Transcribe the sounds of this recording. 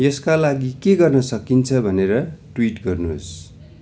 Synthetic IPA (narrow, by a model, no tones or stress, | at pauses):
jʌskalaɡikeɡʌrnʌsʌkint͡sʰʌbʱʌneɾʌʈwiʈɡʌrnuɦo̰s